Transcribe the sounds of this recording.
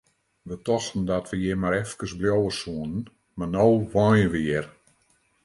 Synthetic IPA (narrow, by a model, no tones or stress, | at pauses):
ʋətɔxtn̩dɔtʋəjemaɾɛfkərsbljowəsuənən | marnowʋɔjəʋɪɪr